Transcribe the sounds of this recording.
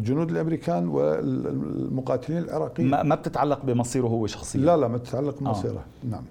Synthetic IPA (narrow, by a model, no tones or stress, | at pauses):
ld͡ʒʊnuːd̪ɪlʔamɾiːkʰaːnwɪ̰ | mʊqɑːt̪ɪliːnɪlʕɪɾˤɑːqiːamab̚t̪ɪt̪ʕalːɑqbɪmɑsˤiːɾɦʊwːʃɑ̥xsˤɨːalamat̪ɪ̥t̪ʕalːɑq̚bɪɑsˤḭːɾa̰ | naʕam